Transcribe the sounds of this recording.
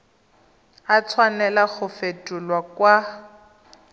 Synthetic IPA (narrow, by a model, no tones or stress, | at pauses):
at͡sʰwanɛlaɣʊfetʼulwakwa